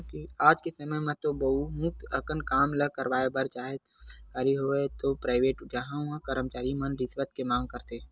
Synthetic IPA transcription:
kiaːd͡ʒkesɐməjmẽt̪obɐumũːt̪əkənkaːmləkəɾwaːjebəɾt͡ʃaːɦekaɾiɦoet̪opɾaːɪʋeːʈd͡ʒaɦããkəɾəmt͡ʃaːɾimənɾɪsʋət̪kemãːŋɡ̚kəɾt̪eː

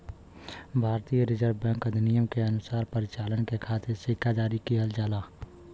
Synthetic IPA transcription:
bʱaːɾt̪ijəɾɪd͡ʒəɾʋbɛ̃ːŋkəd̪ʱnijəmkeɐnʊsaːɾpəɾɪt͡ʃaːlənkekʰaːt̪ʰɪɾsɪkʰad͡ʒaːɾikiɦɐld͡ʒaːlaː

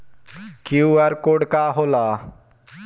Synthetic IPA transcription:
kjuːaɾkoːɖkaːɦoːlaː

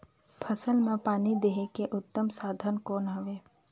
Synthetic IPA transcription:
pʰəsəlmẽpaːnid̪eɦekeʔʊt̪ːəmsaːd̪ʱənkɔːnɦɐʋeː

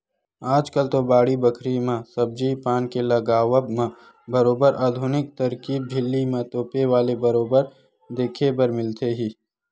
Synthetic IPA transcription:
aːd͡ʒkəlt̪obaːɽibəkʰɾimãsɐb̚d͡ʒipaːnkelɐɡaːʋəbmã | bəɾoːbəɾaːd̪ʱʊnɪk̚t̪ɐɾkiːb̚d͡ʒʱɪlːimãt̪oːpeʋaːlebəɾoːbəɾ | d̪eːkʰebəɾmɪlt̪eɦiː

